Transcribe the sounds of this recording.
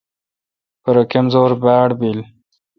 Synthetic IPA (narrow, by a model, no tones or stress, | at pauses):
pəɾokemzoːɾbaːɽbil